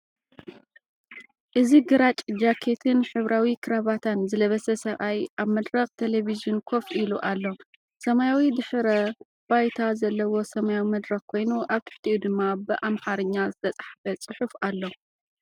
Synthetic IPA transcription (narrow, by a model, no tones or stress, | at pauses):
ʔɨziɡɨɾat͡ʃʼd͡ʒakʰe̞t̪ʰɨnħɨβɾʔawikʰɨɾaβat̪ʰanzɨlɐβɐsɐsɐβʔajʔaβmɐd̪ɾɐxt̪ʰe̞leβiziunkʰo̞fʔiluʔalːo̞ | sɐmajawid̪ɨħɨɾɐ | b̥ajt̪ʰazɐlːɐwo̞sɐmajawimɐd̪ɾɐxkʰo̞jnuʔaβt̪ʰɨ̥ħt̪ʰiʔud̪ɨmːabɨʔamħaɾɨɲːazɨt̪ʰɐt͡sʼaħafɐt͡sʼɨħufalːo